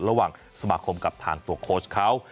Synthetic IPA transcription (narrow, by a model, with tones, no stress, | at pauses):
ɾa˧waː˨˩ŋ | sa˧maː˧kʰo˧mka˨˩p̚t̪ʰa̰ː˧ŋt̪u˧ɐkʰoː˦˥kʰa˦˥w